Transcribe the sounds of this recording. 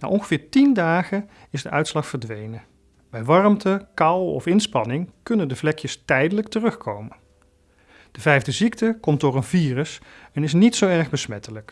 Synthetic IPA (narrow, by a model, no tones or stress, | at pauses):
na̰ːʔɔnχəvɪːɹtindaːχə | ɪzdəʔœɥtslɑχfəɹdʋejnə | bɛjʋɑrmtəkɑwɔ̰fɪnspɑnɪŋkɵnəndəvlɛkjəstɛjdələktərɵχkʰowmən | d̥əvɛjvdəziktəkɔmdʊːɹənviːrəsɛnɪs̬nitsowɛɹχbəsmɛtələk